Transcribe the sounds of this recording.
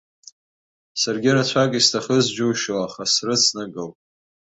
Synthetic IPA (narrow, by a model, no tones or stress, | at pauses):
sarɡʲɪɾat͡ɕʷʰakʼistʰaχəzd͡ʒuːʃoaχasrɨt͡sʰnɨɡɨl